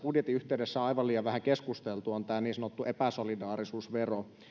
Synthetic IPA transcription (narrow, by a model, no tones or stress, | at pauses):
udjet̪ːˑiyht̪eywdesːæɑiʋɑliːjɑʋʋæhækeskust̪elt̪uont̪æːniːnsɑnot̪ːuʔepæsolidɑːɾisuːsʋero